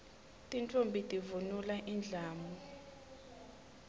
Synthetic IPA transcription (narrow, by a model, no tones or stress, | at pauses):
tʼintʼombʱitʼivunulaʔind͡ɮʱaːmɔ